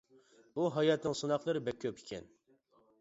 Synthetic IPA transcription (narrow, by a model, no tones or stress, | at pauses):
uɦɑjɑt̪nɨŋsɨnɑχlˠəɾɨbɛkʲʰːøpʰikʲʰɛ̰n